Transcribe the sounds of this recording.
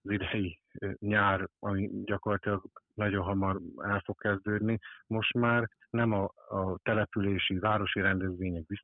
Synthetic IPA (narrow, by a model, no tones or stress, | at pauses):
zid̪ɛji | ɲaːrɒmiɟɒko̞rlɒt̪ilɒɡnɒɟo̞nɦɒmɒɾɛlfo̞kkːɛzd̪øːd̪nimo̞ʃt̪maːr | nɛmɒt̪ɛlɛpyleːʃivaːɾo̞ʃiɾɛnd̪ɛzʋeːɲɛɡ̚bis